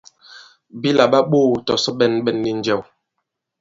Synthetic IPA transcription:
bi˦la˨ɓa˦ɓoː˦˨tɔ˨sɔ˦ɓɛ˦˨nɓɛ˦˨nːi˦n˦d͡ʒɛ˦˨w

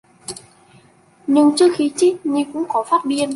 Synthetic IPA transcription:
ɲɨ˧ŋt͡ɕɨ˦˥ək̚xi˨˦t͡ɕi˦˥t̚ɲi˧kʊ̰˧˥ŋ͡mkɔ˨˦faː˦˥t̚ɓi˧ən

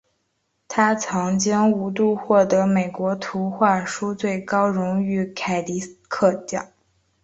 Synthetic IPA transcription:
t̪ʰa˥t͡sʰɑ˧˥ŋt͡ɕi˥ŋu˧˥t̪u˥˧xwɔ˥˩t̪ɤ˧˥me˨˩ɪkwɔ˧˥t̪ʰu˧˥xwa˥˩ʂu˥t͡swe˥˩ɪkɑ˥ʊɻʊ˧˥ŋy˧˥kʰa˨˩ɪli˧˥kʰɤ˥˧t̪jɑ̰˥˩˦

